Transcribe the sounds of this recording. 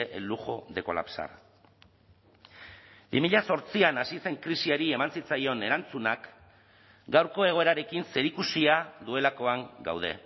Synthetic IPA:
ʔelːuʝo̞ðe̞ko̞̰la̰psa̰ɾ | bimiʎaso̞ɾt͡sianasise̞ŋkɾisiaɾie̞mansit͡sajo̞ne̞ɾant͡sunak | ɡawɾko̞e̞ɣ̞o̞e̞ɾaɾe̞kinse̞ɾikusiaðue̞lako̞aŋɡa̰wð̞e̞̰

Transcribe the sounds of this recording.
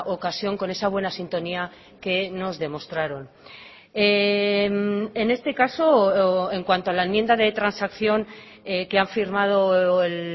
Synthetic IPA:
ʔo̞kasjo̞ŋko̞ne̞saβ̞we̞nasint̪o̞nia | ke̞no̞zðe̞mo̞st̪ɾaɾo̞n | emene̞st̪e̞kaso̞e̞ŋkwant̪oalaemje̞nd̪aðe̞t̪ɾansakθjo̞ŋ | eke̞aɱfiɾmað̞o̞el

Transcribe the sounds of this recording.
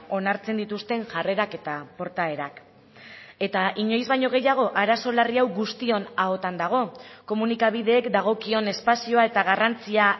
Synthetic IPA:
o̞naɾt͡se̞nd̪it̪ust̪e̞ŋʝare̞ɾake̞t̪apo̞ɾt̪ae̞ɾak | e̞t̪aiɲo̞jzβajɲo̞ɣ̞e̞jaɣ̞o̞ʔaɾaso̞lariawɣust̪io̞nao̞t̪and̪aɣ̞o̞ko̞munikaβ̞iðe̞ːkd̪aɣ̞o̞kio̞ne̞spasio̞ae̞t̪aɣ̞arant͡sia

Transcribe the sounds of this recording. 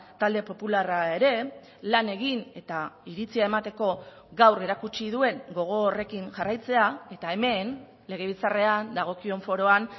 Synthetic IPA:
t̪ald̪e̞po̞pularae̞ɾe̞ | lane̞ɣine̞t̪aiɾit͡siae̞mat̪e̞ko̞ | ɡawre̞ɾakut͡ʃiðue̞ŋɡo̞ɣ̞o̞ːre̞kinʝarajt͡se̞ae̞t̪ae̞me̞n | le̞ɣ̞e̞β̞it͡sare̞and̪aɣ̞o̞kio̞ɱfo̞ɾo̞an

